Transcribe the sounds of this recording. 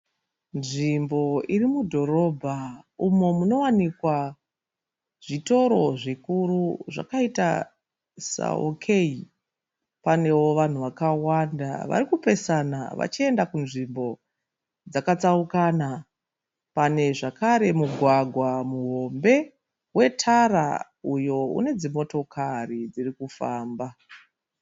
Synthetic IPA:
nʐimbo̞irimudʱo̞ɾo̞bʱaumo̞muno̞wanikwa | ʐ̥ito̞ɾo̞ʐikuɾuʐa̰kaita̰ | sa̰o̰kʰe̞i | pane̞wo̞ʋan̤uʋakawanda̰ʋa̰ɾikupe̞sana̰ʋa̰t͡ʃie̞ndakunʐimbo̞ | d͡zakat͡saukana | pane̞ʐakaɾe̞muɡʱwaɡʱwamuɦo̞mbe̞ | we̞tʰara̰ | ujo̞ṵne̞d͡zimo̞to̞kʰarid͡zirikufaːmba

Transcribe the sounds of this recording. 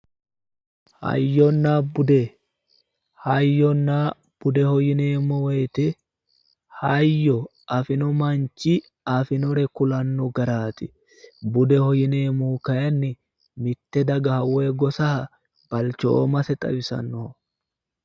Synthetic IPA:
hɐ̰jːɔnːaːbʊd̪ɛ | hɐjːɔnːaː | b̥ʊd̪ɛhɔjɪneːmɔwɛjt̪ɛ | hɐjːɔ | ɐfɪnɔmɐnt͡ʃːɪ | ɐfɪnɔɾɛkʊlɐnːɔɡɐɾaːt̪ɪ | bʊd̪ɛhɔjɪneːmukɐjɐnːɪ | mɪt̪ːɛd̪ɐɡɐhɐweːɡɔsɐhɐ | b̥ɐlt͡ʃo̰ːmɐsɛt̪ʼɐ̰wɪsɐ̰nːɔ

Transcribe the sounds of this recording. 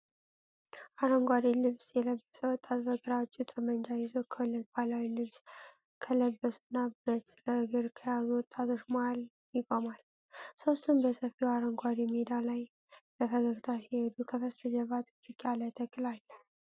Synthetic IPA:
ʔaɾəŋɡʷaɾilɨβsjɛləbːəsəwɔt̪ʼːat̪̚bəɡəɾawt͡ʃːut̪ʼəmənd͡ʒajɛzokʰəwləbalawilɨβs | kʰələbːəsunːabət̪ɾəɡɨɾkʰəjazuwɔt̪ʼːat̪ʰo̞t͡ʃːmaal | jɪɡʼomal | so̞st̪ʰɨmbəsəfiwaɾəŋɡʷaɾimed̪alaj | b̥əfəɡəɡt̪ʰasihed̪ukʰəfəst̪ʰəd͡ʒəβat̪ʼɨt̪ʼɨkʼːalajt̪ʰəkʼːɨlalːəh

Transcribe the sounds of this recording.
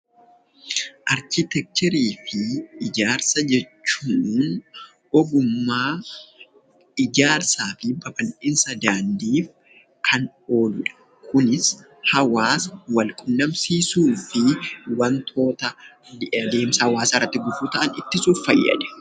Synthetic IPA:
ʔɐɾkɪt̪ɛk̚t̪ɛɾiːfɪɪd͡ʒaːɾsɐd͡ʒɛt͡ʃːuːn | ɔɡʊmːaː | ɪd͡ʒaːɾsaːfɪbɐfɐnʔɪnsɐd̪aːnd̪iːf | kʰɐn | o̞ːlʊᶑɐ̥ | kʰʊnɪs | hɐwaːsɐwɐlkʼʊnːɐmsiːsuːfɪwɐnt̪ʰo̞ːt̪ɐ | d̪eːmsɐhɐwaːsɐrːɐt̪ːɪɡʊfut̪ɐʔɐnɪt̪ːɪsuːffɐjːɐ̰ᶑɛ̥

